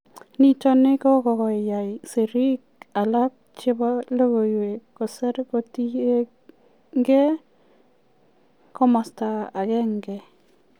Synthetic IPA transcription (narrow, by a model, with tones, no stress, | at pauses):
ni˦t͡ʃɔ˦nɪ˦kɔ˦kɔ˨kɔ˨ja˨jse˨ɾi˦k̚a˨la˦k̚t͡ʃɪ˦bɔ˦lo˦ɣo˨we˨kɔ˨sɛ˦ɾko˨ti˦e˦ | ŋɡɛ˦ | kɔ˦ma˨sta˨a˨kɛ˦ŋɡɛ˨